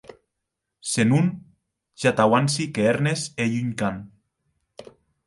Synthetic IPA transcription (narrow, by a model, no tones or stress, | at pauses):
senun | ʃat̪awansikeeɾnesejyɲkan